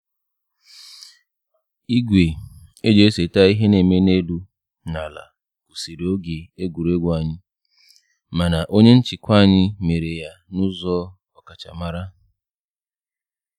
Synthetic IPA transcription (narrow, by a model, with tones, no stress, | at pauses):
i˦ɡʷe˨e˦d͡ʒe˨e˦se˨ta˦i˦ɦe˦ne˨me˦ne˦lu˦ | na˨la̰˨ | ku˨si˨ɾo˦ɡe˨e˦ɡʷu˨ɾe˦ɡʷa˨ɲɪ˦ | ma˨na˨ʔo˦ɲe˦n̩˦t͡ʃɪ˨kʷa˦˨ɲɪ˦me˨ɾe˨ja˦nʊ˦zɔ˦ | ɔ˨ka˨t͡ʃa̰˨ma˦ɾa˦